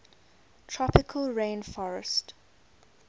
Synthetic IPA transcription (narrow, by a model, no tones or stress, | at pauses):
tʰɹɔpɪkʰəlɹẽːnfɔɹə̰st